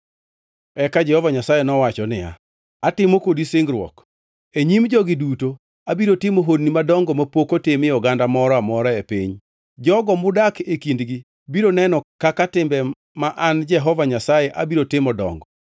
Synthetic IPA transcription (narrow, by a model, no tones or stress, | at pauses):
ɛkad͡ʒɛhɔvaɲasajɛnɔwat͡ʃɔnɪja̰ | atɪmokodisɪŋɡɾwɔ̰k | eɲimd͡ʒɔɡɪduto | abiɾotɪmoɦodnimadɔŋɡɔmapokotɪmɪɔɡandamɔɾɔamɔɾɔepḭɲ | d͡ʒɔɡɔmʊdakekindɡi | biɾonɛnɔkakatɪmbɛ | maʔand͡ʒɛɦɔvaɲasajɛʔabiɾotɪmɔdɔ̰ŋɡɔ